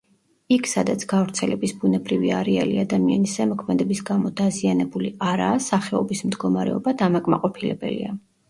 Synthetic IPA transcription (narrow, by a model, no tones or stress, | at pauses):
ikʰsad̪at̪sʰɡ̥avɾt̪sʰɛlɛbisbunɛbɾiviaɾɛaliad̪amia̰nisɛmɔkʰmɛd̪ɛbisɡamɔd̪azianɛbuliaɾaːsaχɛɔbismd̪ɡɔmaɾɛ̰ɔbad̪amakʼma̰qʼɔpʰilɛbɛ̰lḭa